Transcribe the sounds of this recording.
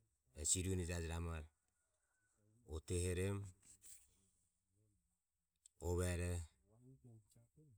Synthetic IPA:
esiɾunid͡ʒad͡ʒɾamaɾ | oteheɾem | oβaɾe

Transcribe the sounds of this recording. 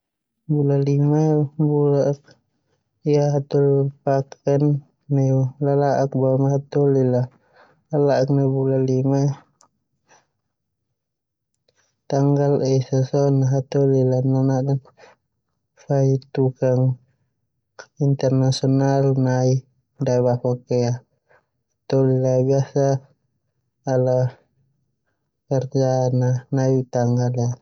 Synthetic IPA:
bulalimabulaʔk̚ | iaɦat̪ɔlpakanː | ɛulalaʔak̚bamaɦat̪ɔlila | lalaʔk̚nabulalima | t̪aŋɡalɛsasɔnaɦat̪ɔlilananaʔdan | fait̪ukaŋ | int̪ɛrnasiɔnalnai | daβapakɛa | t̪ɔlilabiasa | la | kɛrd͡ʒananait̪aŋɡala

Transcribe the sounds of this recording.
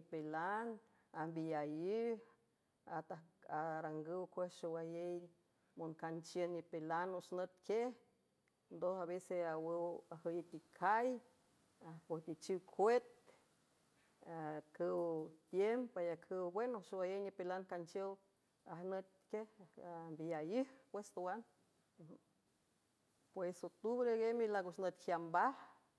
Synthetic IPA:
pelan | ambijaji | at̪aaɾaŋɡəwkʷesʃowajej | monkant͡ʃjənnipelanoʃnət̪̚kjeh | nd̪osaβeseawəwahəjit̪ikʰaj | apoht̪it͡ʃiwkʰʷet̪̚ | akʰəwt̪jempajakʰəwbwenoʃowajəɲipelankant͡ʃjəw | ahnət̪̚kehambijajɨhpwest̪owan | pwesot̪uβɾeɡemilakuʃnət̪hjambah

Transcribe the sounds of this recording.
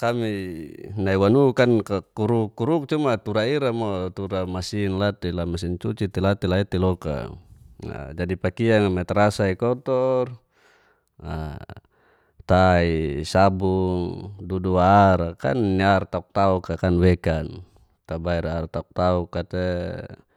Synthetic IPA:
kaminaiwanukankakuɾukːuɾuk̚t͡ʃumat̪uɾaiɾamɔt̪uɾamasinlat̪ilamasint͡ʃut͡ʃit̪ilat̪ilait̪ilɔka̰ | a̰d͡ʒadipakiaŋmɛt̪ɾasaikɔt̪ɔr | a̰ | t̪aisabuŋduduaɾaka̰nːiart̪auk̚t̪aukakanwɛkan | t̪abaiɾaɾt̪auk̚t̪aukːat̪ɛ

